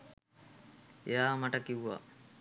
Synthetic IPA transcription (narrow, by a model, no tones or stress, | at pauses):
ejaːmaʈəkiʋuʋa̰